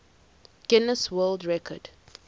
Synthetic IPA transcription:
ɡ̥ɪnəswəldɹɛkʰɔd̥

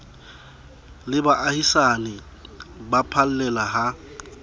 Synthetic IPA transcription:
lɪbaʔahisanɪ | bapʰal̩lɛlaɦa

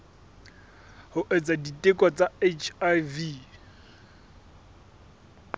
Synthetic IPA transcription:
hʊʔet͡saditʼekʼwat͡sʼaet͡ʃʰavi

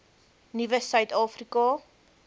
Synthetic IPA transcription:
nivəsœɥtɑːfrikɑ

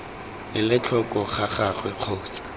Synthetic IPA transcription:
lɪlɪt͡ɬʰɔkʼɔχaχaχwɛq͡χʰoːt͡sḁ

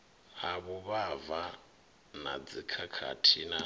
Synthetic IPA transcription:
haβuβava | na̰d͡zikʰakʰa̰tʰina

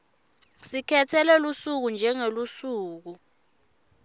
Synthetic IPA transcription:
sikʰɛtʰɛlɛlusuk̬und͡ʒʱɛŋelusuːk̬u

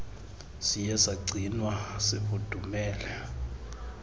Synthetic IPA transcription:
sijɛsaɡ͡ǀʱinwaseβud̥ʱumɛːlɛ

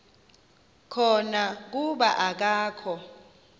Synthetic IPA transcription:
kʰɔnak̬uɓaʔak̬aːkʰɔ

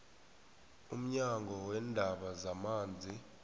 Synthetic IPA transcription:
um̩ɲaŋɡʱɔwɛndʱaɓazamaːnd͡zʱi

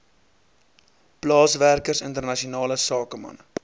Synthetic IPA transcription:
plɑːsværkərsəntərnɐʃionɑːləsɑːkəmɐ̰n

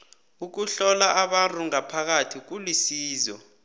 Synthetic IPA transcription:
uk̬uɬɔlaʔaɓantʼuŋapʰak̬atʰik̬ulisiːzɔ

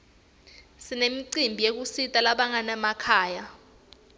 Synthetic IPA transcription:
sinemiǀimbʱijek̬usitʼalaɓaŋanɛmakʰaːja

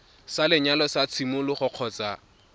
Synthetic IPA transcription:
salɪɲalɔsat͡sʰimʊlʊχʊq͡χʰɔːt͡sa

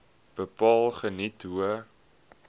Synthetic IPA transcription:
b̥əpɑːlˠχənitɦuə

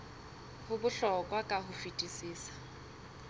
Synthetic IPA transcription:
hʊbʊɬɔkʼwakʼaɦʊfitʼisiːsḁ

